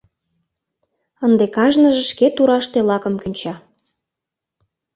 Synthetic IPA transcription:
ənd̪ekɑʒnəʒĕʃket̪uɾɑʃt̪elɑkəmkynʲt͡ɕɑ

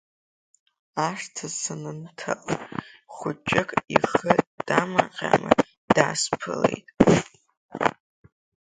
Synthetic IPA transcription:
aʂtʰasɨnɨntʰaʔʼ | χʷʊt͡ʃʼɪkʼiχəd̥amaqʲʼa̰mɨ | d̥aːspʰɨlejtʼ

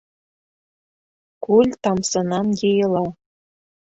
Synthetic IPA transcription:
kulʲt̪ɑmsɤ̆nɑmjejɤlɑ

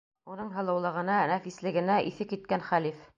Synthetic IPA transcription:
unɤɴɦɤ̆lˠɤ̆wlˠɤ̆ʁɤ̆nɑnæfislɘ̆ɡɘ̆næʔiθɘkit̪̚kænχælif

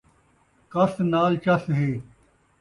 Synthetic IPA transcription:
kɐsnaːlt͡ʃɐsɦeː

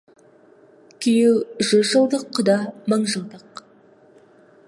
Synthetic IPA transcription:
kʲʰejɪwʒʏzʒəlˠd̪əqʰːəd̪ɑməɴʒəlˠd̪əq

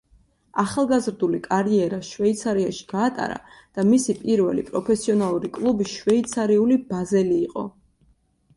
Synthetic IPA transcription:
aχalˠɡazɾd̪ulikʼaɾiɛɾaʃvɛit̪sʰaɾiaʃi̥ɡ̥aːt̪ʼa̰ɾa̰d̪̥amisipʼiɾvɛ̰lḭpʼɾɔpʰɛsiɔnalˠuɾikʼlˠubiʃvɛit̪sʰaɾiulibazɛliːqʼɔ̰

